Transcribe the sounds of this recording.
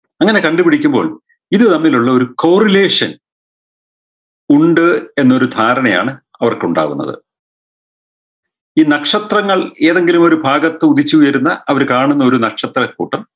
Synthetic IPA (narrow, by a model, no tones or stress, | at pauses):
ɐŋːɐne̞kɐɳɖupiɽikʲːumbo̞̰ːɭ | iðɨt̪ɐmːiluɭːɐo̞ɾukowrile̞ːʂɐn | uɳɖɨe̞nːɐo̞ɾud̪ʱaːɾɐɳɐja̰ːɳɨ | ɐʋɐrkuɳɖa̰ːʋunːɐ̰ðɨ̰ | iːnɐkʂɐt̪rɐŋːɐɭe̞ːðe̞ŋɡilumo̞ɾubʱaːɡɐt̪ːeuðit͡ɕːuujɐɾunːɐɐʋɐɾkaːɳunːɐo̞ɾunɐkʂɐt̪rɐkːṵːʈːɐm